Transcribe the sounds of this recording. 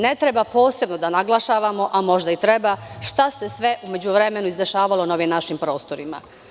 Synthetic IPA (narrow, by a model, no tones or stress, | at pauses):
ne̞t̪ɾe̞bapo̞ːse̞bnod̪anaɡlˠaʃaʋamo̞ʔamo̞ʒd̪ait̪ɾe̞baʃt̪ase̞sʋe̞ʔume̞d͡ʑuʋɾe̞me̞nuizeʃaːʋalˠo̞naoʋimnaʃimpɾo̞ːst̪o̞ɾima̰